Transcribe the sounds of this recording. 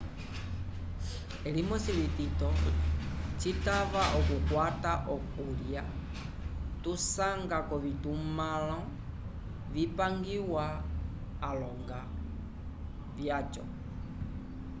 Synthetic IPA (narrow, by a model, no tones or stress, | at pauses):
ɛlimɔsilititɔ | t͡ʃitaβaʔɔkukwataʔɔkulja | tusaŋɡakɔβitumalɔ | vipaŋɡiwaː | lɔŋɡa | vjat͡ʃɔ̰